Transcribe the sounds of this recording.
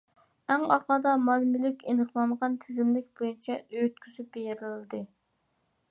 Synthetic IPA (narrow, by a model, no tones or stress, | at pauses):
æŋɑχɑd̪ɑmɑlmylɪkʲenəχlˠɑməʁɑnt̪ʰɪzɪmlɪk̚ʲbojynt͡ʃʰɛøt̪̚kʲʰysyb̥ejɪɾɪlɨd̪ɨ